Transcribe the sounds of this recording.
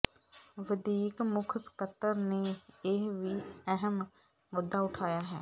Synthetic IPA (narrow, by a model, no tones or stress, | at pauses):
ʋəd̪iːkmʊkʰskət̪ːəɾneːɪɦʋiːɛɦəm | mod̪ːaːʊʈʰaːjaːɦɛ̰ː